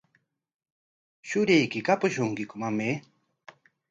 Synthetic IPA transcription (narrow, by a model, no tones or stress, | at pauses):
ʃʊɾejkikapʊʃʊŋkikʊmame